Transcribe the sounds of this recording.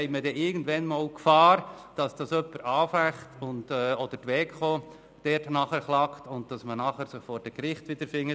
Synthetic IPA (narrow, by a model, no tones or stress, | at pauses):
hɛɪmədɛɪɡn̩dʋɛnmɑːlkfɑːɾd̥ɑsd̥ɑsœpːəɾɑːfæχtʊntɛːɔd̥əɾtʋɛːkχo | d̥ɛtnɑχəɾχlɑktʊntd̥ɑsmənɑχəɾsɪχfɔːɾd̥ɛɡɾɪχtʋɪd̥əɾfɪŋːət